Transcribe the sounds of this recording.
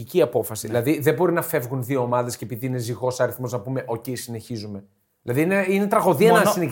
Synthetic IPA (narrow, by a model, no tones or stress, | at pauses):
iciɐpo̞fɐsiðilɐðiðe̞bo̞ɾinɐfe̞vɣunðio̞ːmɐðe̞scepiðiine̞ziɣo̞sɐɾiθmo̞znɐpume̞ʔo̞ce̞jsine̞çizume̞ | ðilɐðiineine̞t̪ɾɐɣo̞ðiɐnɐsine